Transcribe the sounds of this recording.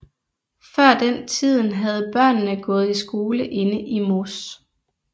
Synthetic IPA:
fɶɐ̰d̥ent͡sʰið̞̰ˠn̩ɦæð̞̩ˠb̥ɶɐ̰nːəɡ̥ɔ̽ːð̞̩ˠisɡ̥o̝ːləʔe̝nəʔimos

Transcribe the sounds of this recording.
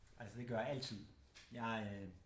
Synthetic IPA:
ʔæl̰səd̥e̝ɡ̥ɶɐæl̰t͡sʰið̰ˠ | jɑ̈ɪ

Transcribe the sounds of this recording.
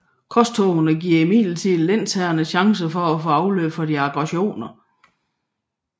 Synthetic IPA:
kʰɒ̽st͡sʰoʊɐnəɡ̥iɐ̰imḭːl̩t͡sʰið̰ˠlen̰t͡sʰæɐnəɕɑ̈ŋs̬əfɒ̽æfoɑ̈ʊløbfɒ̽d̥iɑ̈b̥ʁɑɕo̝̰ːnɐ

